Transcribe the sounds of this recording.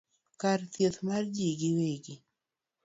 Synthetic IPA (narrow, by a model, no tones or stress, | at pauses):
kart̪jet̪mard͡ʒiɡɪweɡɪ